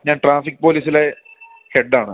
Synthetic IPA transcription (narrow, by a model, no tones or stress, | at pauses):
ɲaːnʈraːfikːpo̞ːliːsile | heɖːaːɳɨ